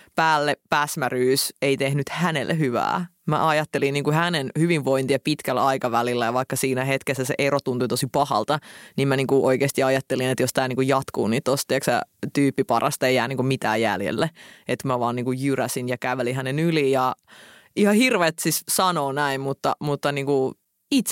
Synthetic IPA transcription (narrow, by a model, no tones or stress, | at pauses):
pæːlːepæsmæryːseit̪ehnyt̪hænḛlːehyʋæ̰ːmæ̰ʔɑjɑt̪ːelinniːŋkuhænenhyʋiʋʋoint̪iɑpit̪kælːɑikɑʋælilːæjɑʋɑikːɑsiːnæɦet̪kesːæsḛʔerot̪unt̪uit̪osipɑhɑ̰lt̪ɑnimmæniːŋkuʔoikeːst̪iɑjɑt̪ːelinet̪jost̪æːniŋkujɑt̪kṵːniːt̪ːost̪ieksæ̰t̪yːpːipɑrʔɑ̰st̪ɑeijæːniːŋkumit̪æ̰ːjjæ̰ljḛlːeet̪mæʋɑːniːŋkujjyræsinjɑkæʋelihænenyliːjɑ | ihɑhirʋet̪sissɑnoːnæimmut̪ːɑmut̪ːɑniːŋku | it̪s